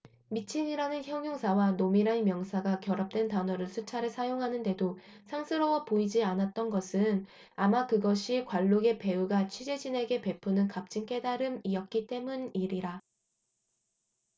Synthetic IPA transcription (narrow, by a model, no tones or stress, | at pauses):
mit͡ɕʰiɲiɾanɯnçjʌŋjoŋsʰawanomiɾanmjʌŋsʰaɡakjʌɾʌp̚t͈we̞ntanʌɾɯɭsʰut͡ɕʰaɾɯɭsʰajoŋɦanɯnde̞do | sʰaŋsʰɯɾʌwʌpoid͡ʑianat̚t͈ʌnɡʌsʰɯn | amakɯɡʌɕʰikwaɭːoɡe̞pe̞uɡat͡ɕʰɥid͡ʑe̞d͡ʑine̞ɡe̞pe̞pʰunɯnkap̚t͡ɕ͈ink͈e̞daɾɯmiʌt̚k͈it͈e̞muniɾiɾa